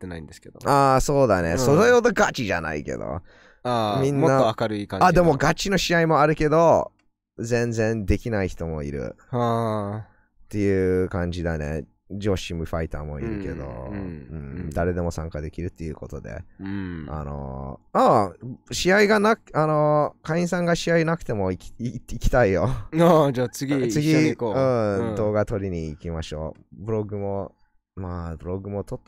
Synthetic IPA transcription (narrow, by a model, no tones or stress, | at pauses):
t̪ːenaĩnd̪esked̪oaːso̞ːd̪anḛsoɾejod̪oɡat͡ɕiʑa̰na̰ḭke̞̰d̪o̰ | amʲĩnːmːaoakaɾɯikãad̪e̞mo̞ɡat͡ɕino̞ɕiaimo̞aɾɯ̟ke̞d̪o̞ | zẽ̞nd͡zẽ̞nd̪e̞kʲinaiçi̥t̪o̞mo̞ḭɾɯ̟̰ | t̪ːe̞jɯ̟kãɲ̟d͡ʑid̪anḛ | d͡ʑo̞ːɕimi̟ɸait̪aːmo̞̰ḭɾɯ̟ke̞̰d̪o̰ɯ̟̃d̪aɾe̞d̪e̞mo̞sãŋkad̪e̞kʲiɾɯ̟t̪ːe̞jɯ̟ko̞t̪o̞d̪e̞̰ | a̰no̰aɕiaiɡanakano̞kaĩsãŋɡaɕiainakɯ̟̥t̪e̞moiikʲi̥t̪aijoad͡ʑaːt͡sɨɡʲit͡sɨɡʲiikoɯ̃d̪o̞ːɡat̪o̞ɾʲiɲ̟iːkʲimaɕo̞̰ː | bɯ̟ɾo̞ɡɯ̟mo̞ | mabɯ̟ɾo̞ɡɯ̟mo̞t̪ot̪ː